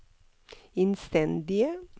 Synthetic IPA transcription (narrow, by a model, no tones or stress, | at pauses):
ɛnst̪ɛnd̪ɪəm